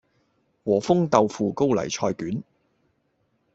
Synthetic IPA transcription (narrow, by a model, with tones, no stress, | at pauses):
wɔː˨˩fʊ˥ŋt̪ɐ˨˧wfuː˨˧ko˥wlɐ̰˨˩jt͡ʃʰɔː˧jkyː˨˥n